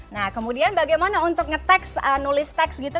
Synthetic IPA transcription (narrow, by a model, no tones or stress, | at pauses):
nahkəmudianbaɡajmanaunt̪ʊk̚ŋət̪ɛksənulɪst̪ɛksɡit̪u